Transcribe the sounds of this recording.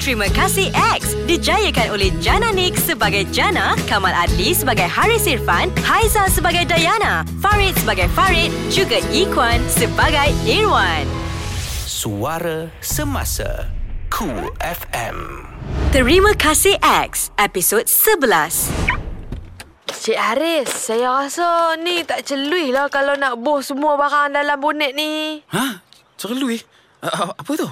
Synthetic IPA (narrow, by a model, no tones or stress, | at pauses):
t̪ɾimə̃kasiʔɛk̚sdid͡ʒajəkanolɛhd͡ʒanãnik̚səbaɡajd͡ʒanakamaladlisəbaɡajhaɹisirfanhajzasəbaɡajdajanafaɹit̪̚səbaɡajfaɹit̪̚d͡ʒuɡaʔikwansəbaɡajɛɹwan | suaɾa | səma̰sa̰kʰuɛfɛ̰mt̪əɹimə̃kʰasiʔɛk̚sɛpisod̚səblas | t͡ʃɛʔaɾɪsːajaɣasənĩt̪aʔt͡ʃəluɪhlahkalawnaʔbʊhsəmuabaɾaŋdalambunɛʔ̪̚nia | t͡ʃəluɪh | apət̪ʊ